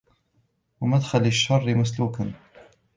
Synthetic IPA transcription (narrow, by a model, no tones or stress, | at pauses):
wamad̪xalɪʃːɑrˤːɪmasluːkan